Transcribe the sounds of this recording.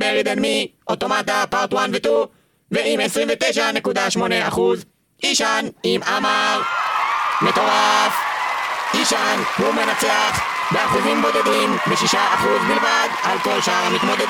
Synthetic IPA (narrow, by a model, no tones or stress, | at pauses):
beʁid̪anmiʔo̞t̪o̞mat̪̬apaʁt̪wanvet̪u | veimesʁimvet̪ejʃane̞kud̪aʃmo̞neaχuz | iʃanimʔamaʁ | met̪o̞ʁaf | iʃanhumenat͡seaχ | beaχuzimbo̞d̪ed̪imbeʃiʃaaχuzmilmad̪alko̞lʃaaʁamit̪mo̞d̪ed̪